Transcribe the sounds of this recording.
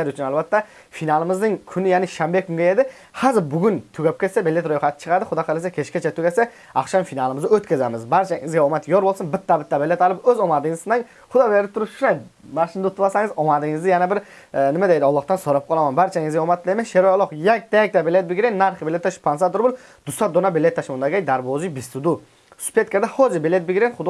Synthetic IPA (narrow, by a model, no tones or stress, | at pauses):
aɾʊt͡ʃʰʊnalˠbat̪ːa | finalˠɪmɪznɪŋkʲʰʊnɪjanɪʃambekʲʰʊŋɡʲajed̪ɪ | hazɪɾbʊɡʲʊnt̪ʰʊɡʲap̚kʲet̪ʲsabelːet̪ɾojχat̪ʰɪ̥t͡ʃʰɨ̥qʰɑɾd̪ɪχʊd̪ɑqʰɑlasakʲʰet͡ʃkʲat͡ʃʰat̪ʰʊɡʲasa | ɑχʃamfinalˠɪmɪzaɵt̪kʲʰazamɪzbaɾt͡ʃʰaɪŋɪzɡʲaomat̪joɾbolˠsɪnbɪt̪ːabɪt̪ːabelːet̪alˠɪpɵzɒmad̪ɪŋɪzsɪnaŋ | χʊd̪ɑbeleɾɪp̚t̪ʰʊɾʊpʃʊnaj | maʃɪnd̪aʊt̪ʰʊbasaŋɪzɔmad̪ɪŋɪzd̪ɪjanabɪɾ | nɪmad̪ejd̪ɔlˠːɑχt̪ɑnsoɾɑp̚qʰɑlˠɑmanbaɾt͡ʃʰaŋɪzɡʲɛomat̪ʰːlˠajmenʃeɾojɔlˠoqjak̚ʲd̪ɛjɛk̚ʲt̪abelet̪̚bɪɡʲɾenʲːaɾχbelːet̪ːaʃpʰansat̪ʊɾbʊlˠ | d̪̥ʊsat̪d̪onabelːet̪ːaʃmond̪aɡʲajd̪aɾbozɪbɪst̪ʊd̪u | sʊ̥pʰet̪̚kʲaɾd̪ahozɪbelet̪̚bɪɡʲɾenχʊd̪